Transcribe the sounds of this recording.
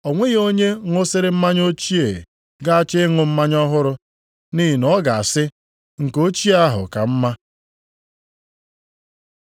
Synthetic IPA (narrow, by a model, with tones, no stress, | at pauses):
ɔ˨ŋʷe˦ɣo˦ɲe˦ŋʷʊ˦sɪ˦ɾɪ˦m̩˦ma˦ɲ˦o˦t͡ʃi˦ḛ˨ | ɡa˦a˦t͡ʃɪ˦ɪ˦ŋʊ˨m̩˦ma˦ɲɔ˦ɦʊ˦ɾʊ˦ | ni˦ɦi˨nɔ˦ɡa˨a˨sɪ˦ | ŋ̩˨ko˦t͡ʃi˦a˦ɦʊ̰˨ka̰˨m̩˦ma˦